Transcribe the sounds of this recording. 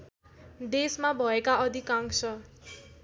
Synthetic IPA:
d̪esmabʱʌekaʌd̪ʱikaŋsʰʌ

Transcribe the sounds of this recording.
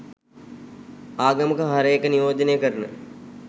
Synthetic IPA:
aːɡɐməkəɦaɾəjekənijoːd̪ənejəkəɾənə̰

